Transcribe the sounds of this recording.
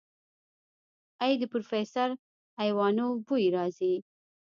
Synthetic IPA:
ajd̪əpɾofesaɾ | ajwɑnobujɾɑzi

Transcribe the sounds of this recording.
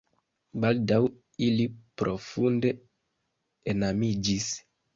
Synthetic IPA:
baldaw | ilipɾʔo̞funde̞ | enamid͡ʒis

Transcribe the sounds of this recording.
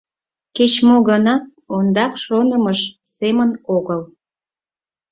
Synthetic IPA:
ket͡ɕmoɣənɑt̪̚ | ond̪ɑkʃonəməʃsemənoɣəl

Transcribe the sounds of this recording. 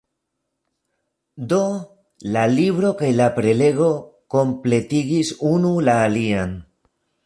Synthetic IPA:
d̪o | laliβɾo̞kajlapɾe̞le̞ɣo̞ko̞mple̞t̪iɣisunulaːlian

